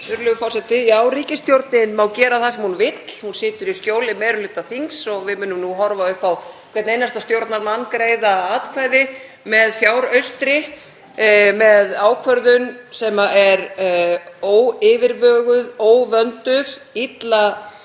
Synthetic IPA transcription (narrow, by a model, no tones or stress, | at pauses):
ʏɾlœʏɣʏfɔrsɛt̪ɪaːwɾiːcɪst̪jowɾt̪nɪnmaːwcɛːɾaθasɛmhunvɪt̪l̥hunsɪːt̪ʏɾiscjoːwlɪmɛːɾʏlʏːt̪ːaθiŋsɔɣvɪmʏːnʏmnuɦɔɾvaœhpawkʰvɛt̪nejnast̪ast̪jowɾt̪naɾmanːkɾejðaaːt̪kʰvajðɪ | mɛðfjaːwɾœɥst̪ɾɪ | mɛðaːwkʰvœɾðʏnsɛmaʔɛɾ | oːwɪːvɪɾvœːɣʏðoːwvœnt̪ʏðit̪la